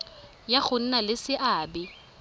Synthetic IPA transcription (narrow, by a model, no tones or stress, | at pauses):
jaɣʊn̩nalɪsɪʔaːbɪ